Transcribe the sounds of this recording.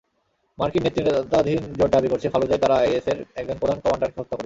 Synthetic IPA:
maɾkinet̪ːɾit̪ad̪ʱind͡ʑoɖ̚d̪abikoɾt͡ɕʰefʰalod͡ʑajt̪aɾaajeseɾɛk̚d͡ʑonpɾod̪ʱankɔmaɳɖaɾkeɦot̪ːakoɾe

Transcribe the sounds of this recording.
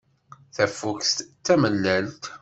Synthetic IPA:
θæfːukst̪ːæməlːælt̪

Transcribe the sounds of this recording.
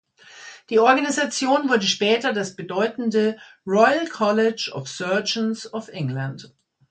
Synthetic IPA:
d̥iːʔɔɐɡanizat͡sjoːnvʊɐdəʃpɛːtɐdasb̥ədɔʏtn̩dəʁɔʏlkʰɔlɪd͡ʒɔ̰fsœɐd͡ʒnsɔfʔɪŋlant

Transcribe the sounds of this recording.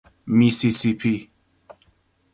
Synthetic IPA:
misisipʰi

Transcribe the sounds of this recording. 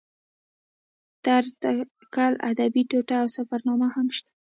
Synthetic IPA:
t̪aɾzd̪a | kɑla̰d̪abiʈoʈaːwsafaɾnɑmahamʃt̪ḁ

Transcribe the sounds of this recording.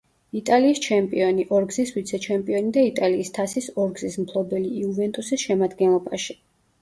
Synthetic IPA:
it̪ʼaliːst͡ʃʰɛmpʼiɔniʔɔɾɡziswit̪sʰɛt͡ʃʰɛmpʼiɔnid̪ait̪ʼaliːst̪ʰasisɔɾɡzismpʰlˠɔbɛliːuvɛnt̪ʼusisʃɛmad̪ɡɛnlˠɔbaʃi̥

